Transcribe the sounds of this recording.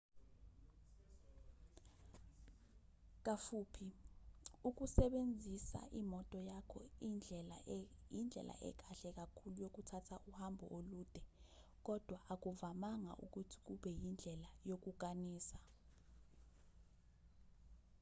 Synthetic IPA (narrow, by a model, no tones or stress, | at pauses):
k̬afuːpʰi | uk̬usɛɓend͡zʱisa̰ʔimɔtʼɔjakʰɔinʱɛljind͡ɮʱɛ̰lʔa̰ʔɛ̰k̬ʼaɬɛk̬akʰulujok̬utʰatʰaʔuhambʱɔ̰ʔoluːd̥ʱɛ | k̬ɔd̥ʱwaʔak̬uvamaŋa̰ʔṵk̬utʰi̥k̬uɓɛjind͡ɮʱɛlajok̬uk̬ʼaniːsa